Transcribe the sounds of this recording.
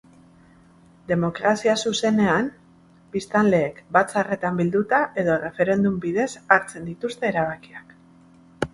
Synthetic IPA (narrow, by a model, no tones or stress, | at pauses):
d̪e̞mo̞kɾasiasuse̞ne̞am | bist̪anle̞ːkbat͡sare̞t̪ambild̪ut̪aʔe̞ðo̞re̞fe̞ɾe̞nd̪umbiðe̞saɾt͡se̞nd̪it̪ust̪e̞ːɾaβ̞akiak